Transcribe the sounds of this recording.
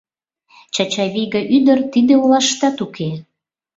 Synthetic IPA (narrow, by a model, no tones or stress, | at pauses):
t͡ɕɑt͡ɕɑβiɣəʔyd̪ərt̪id̪eulɑʃt̪ɑt̪ukʰe